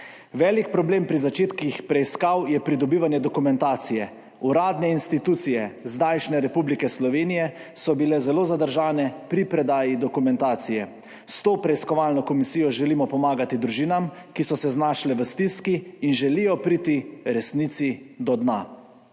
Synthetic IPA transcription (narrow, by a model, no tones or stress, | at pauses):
ʋɛːlikpɾɔbleːmpɾizat͡ʃeːt̪kixpɾɛiskawjɛpɾid̪ɔbiʋanjɛd̪ɔkumɛnt̪aːt̪sijɛ | uɾaːd̪nɛinst̪it̪uːt̪sijɛzd̪ajʃnɛɾɛpublikɛslɔʋeːnijɛ | sɔbilɛzɛloːzad̪əɾʒaːnɛpɾipɾɛd̪aːjid̪ɔkumɛnt̪aːt̪sijɛ | st̪oːpɾɛiskɔʋaːlnɔkɔmisijɔʒɛliːmɔpɔmaːɡat̪id̪ɾuʒiːnamkisɔsɛznaːʃlɛʋəst̪iskiːnʒɛlijɔpɾiːt̪iɾɛsnit̪sid̪ɔd̪na̰